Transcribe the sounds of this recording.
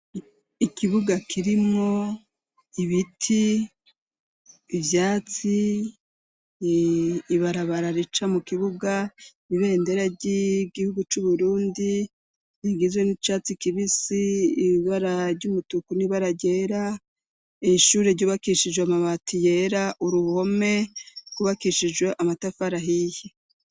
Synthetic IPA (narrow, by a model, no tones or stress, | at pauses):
ikiβuɡakʰiɾimo̞ | iβitʰi | vjaːt͡si | βaɾaβaɾaɾit͡ʃamukiβuɡa | iβe̞ːnde̞ɾaɟiɡihuɡut͡ʃuβuɾuːndi | niɡizwe̞nit͡ʃaːt͡sikiβisiːβaɾaɾɟumutukuniβaɾaɟe̞ːɾa | eʃuːɾe̞ɾɟuːβakiʃid͡ʒweamaβatije̞ɾaʔuɾuho̞me̞kuβakiʃid͡ʒɡwe̞ʔamatafaɾaɦihi